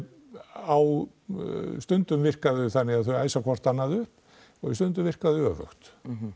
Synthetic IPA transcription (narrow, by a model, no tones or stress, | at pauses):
aw | st̪ʏnt̪ʏmvɪr̥kaðʏθanːɪɣaðθœɥaːjsakʰvɔr̥t̪anːaðʏhp | ɔɣɪst̪ʏnt̪ʏmvɪr̥kaðʏœːvœ̰xt̪